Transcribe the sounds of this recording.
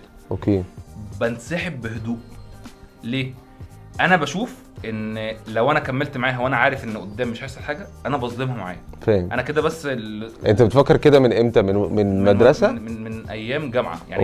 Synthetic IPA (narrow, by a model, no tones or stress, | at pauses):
ʔokeːbænsæħebːehod̪uːʔ | leː | ʔænæbæʃuːf | ʔenlæwʔænækæmːelt̪maʕaːɦæweʔænæʕaːɾefʔenːʔod̪ːæːmːeʃʕajselħaːɡæʔænæbɑsˤd̪emhɑmaʕa̰ːjæfæːʔæ̰næked̪æbæsːʔḛnt̪æbet̪fækːeɾked̪æmenʔemt̪æmenmenmæd̪ɾˤɑsæmmenʔæjːæːmɡæmʕa̰jaʕ